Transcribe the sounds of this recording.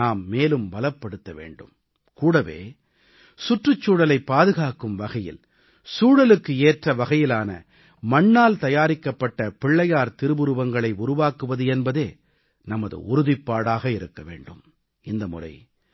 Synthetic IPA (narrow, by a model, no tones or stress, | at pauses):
aːmːeːlɯmbɐlɐpːɐɽɯt̪ːɐʋḛːɳɖɯ̰m | kuːɽɐʋḛː | sʊʈrɯt͡ʃːuːɽɐlɐɪpːaːðɯɣaːkɯmʋɐɣɐjɪ̰l | suːɽɐlɯkːɯeːʈrɐʋɐɣɐjɪlaːnɐ̰ | mɐɳːaːlt̪ɐjaːɾɪkːɐpːɐʈːɐpɪɭːɐjaːɾt̪ɪɾɯbʊɾɯʋɐŋɡɐɭɐɪʊɾʊʋaːkɯʋɐðɯɛnbɐðeː | nɐmɐðɯ̰ʔʊɾʊðɪpːaːɽaːɣɐɪɾɯkːɐʋḛːɳɖɯ̰m | ɪnd̪ɐmʊ̰rɐ̰ɪ